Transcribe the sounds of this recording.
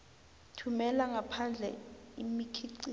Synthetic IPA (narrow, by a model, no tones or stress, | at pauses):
tʰumɛlaŋɡʱapʰand͡ɮʱɛ̰imikʰiǀi